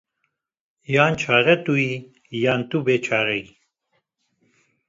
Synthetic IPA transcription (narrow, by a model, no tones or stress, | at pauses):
jaːnt͡ʃʰaːɾɐt̪ui | jaːnt̪ubet͡ʃʰaːɾəi